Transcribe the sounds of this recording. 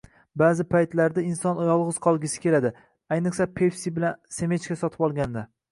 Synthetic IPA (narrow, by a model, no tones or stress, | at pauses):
baːzɪpʰajt̪laɾd̪aɪnsɒnɒjɒlˠʁɨz̥qʰɒlˠɡʲɪsɪ̥kʲʰe̞lad̪ɪ | ajnɨqsapʰe̞fsibɪlanse̞met͡ʃkʲasɒt̪ʰɪ̥pɒlˠɡʲand̪a